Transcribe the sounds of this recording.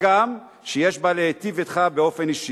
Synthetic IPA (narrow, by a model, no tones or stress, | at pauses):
am | ʃejeʃbalehet̪ivet̪χabeo̞fe̞niʃi